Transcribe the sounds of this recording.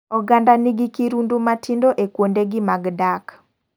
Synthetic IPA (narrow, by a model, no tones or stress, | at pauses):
ɔɡandaniɡikiɾundumatʰindoʔekwondeɡɪmaɡdak